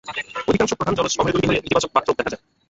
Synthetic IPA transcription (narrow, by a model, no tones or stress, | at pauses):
od̪ʱikaŋʃokpɾod̪ʱand͡ʑɔlot̪ʃɔbʱoeɡoliɦoeɾit̪ibat͡ɕok̚bat̪ːɾod̪ɛkʰad͡ʑae